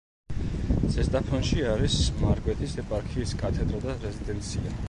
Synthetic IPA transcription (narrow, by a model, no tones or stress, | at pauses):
z̥ɛsd̪ʼapʰɔnʃiaɾismaɾɡwɛt̪ʰisɛpʼaɾkʰiːskʼat̪ʰɛd̪ɾad̪aɾɛzid̪ɛnt̪sʰia